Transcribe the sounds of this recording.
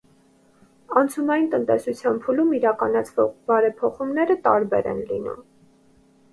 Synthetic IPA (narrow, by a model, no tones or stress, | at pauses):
ɑnt͡sʰunɑjint̪ənt̪ɛsut͡sʰjɑnpʰulumiɾɑkɑnɑt͡sʰvɔʁbɑɾɛpʰɔχumnɛɾət̪ɑɾbɛ̰ɾɛ̰nlḭnṵm